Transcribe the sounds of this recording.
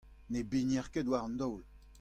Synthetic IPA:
nebenjɛʁkedwaʁɑ̃nd̪ɔwl

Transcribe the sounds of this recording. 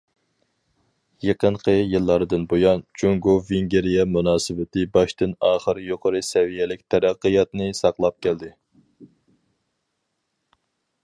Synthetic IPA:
jeqʰəɴqʰəjɨlˠːɑɾɨd̪ɨnbojɑnt͡ʃʰoŋɡoveŋɡʲeɾijɛmunɑːsɨvɪt̪ɨbɑʃt̪ɨnɑːχəɾjoqʰəɾɨsɛvijɛlɪk̚ʲt̪ʰɛɾæqːəjɑt̪nɨsɑqlˠɑp̚kʲʰɛld̪ɪ

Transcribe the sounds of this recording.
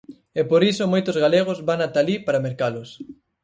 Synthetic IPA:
ɛpoɾisomojt̪ʊzɣaleɣ̞ozβaŋat̪alipaɾameɾkalʊs

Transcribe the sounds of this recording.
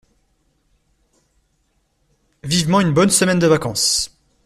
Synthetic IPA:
vivmɑ̃ynbɔnsəmɛnd̪əvakɑ̃s

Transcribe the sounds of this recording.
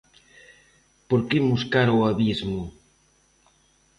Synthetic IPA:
poɾkemuskaɾoaβizmʊ

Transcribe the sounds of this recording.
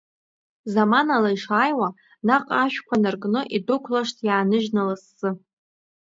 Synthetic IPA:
zamanalaiʂaːjwa | naqʼaʃᶣkʷʰanɨrɡʼnɨʔidʊkʷʰlaʂtʰjaːnɨʒnalasːɨ

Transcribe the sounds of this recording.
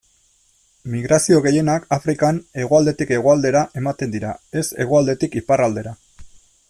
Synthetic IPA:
miɣɾasio̞ɣe̞je̞nakafɾikane̞ɣ̞o̞ald̪e̞t̪ike̞ɣ̞o̞ald̪e̞ɾaʔe̞mat̪e̞nd̪iɾae̞se̞ɣ̞oald̪e̞t̪ikiparald̪e̞ɾa

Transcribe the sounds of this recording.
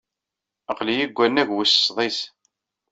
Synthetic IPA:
əqlijiɡʷːænːæʝwissðˤis

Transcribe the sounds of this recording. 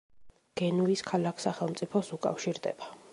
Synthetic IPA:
ɡ̥ɛnuiskʰalakʰsaχɛlˠmt̪sʼipʰɔsukʼa̰fʃiɾd̪ɛ̰b̥a

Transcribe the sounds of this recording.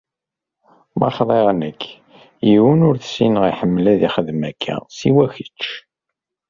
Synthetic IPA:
mɑ̰χðˤeʁnəkʰː | jiwənʊɾθsinəʁiħəmːlæðiχəðmækʰːæ̰siwæçət͡ʃː

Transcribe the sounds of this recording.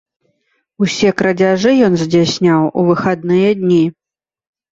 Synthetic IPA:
usʲɛkɾɐd͡zʲaʐɨjɔnzʲd͡zʲasʲnʲawʔuvɨxad̪nɨjɐd̪ʲnʲi

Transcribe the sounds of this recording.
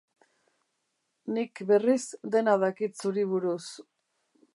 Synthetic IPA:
nikbe̞risd̪e̞naðakit̪suɾiβ̞uɾus

